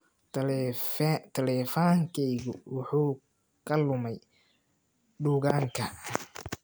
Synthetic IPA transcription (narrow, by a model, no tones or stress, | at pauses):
t̪ʰɐlɛfaːŋkʰɛjɣʊwɑħuː | kʰɐlʊmɛj | ɖuːɣaːŋkʰɐ